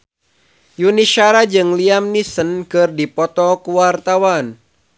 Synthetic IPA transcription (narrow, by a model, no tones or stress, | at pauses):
juniʃaɾad͡ʒɨŋliamnisənkɨrdipɔt̪ɔkuwart̪awan